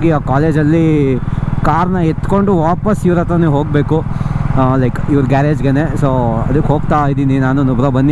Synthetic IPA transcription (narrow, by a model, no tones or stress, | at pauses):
ɡiaːkaːleːd͡ʒɐlːi | kaːɾnɐet̪ko̞ɳɖuʋaːpɐsiʋɐɾɐt̪ɾɐneɦoːɡ̚beːku | lɐjkiʋɐɾɡaːɾeːd͡ʒɡenesoːɐ̰d̪ukːɦoːɡt̪aːid̪iːninaːnunubɾɐbɐnːi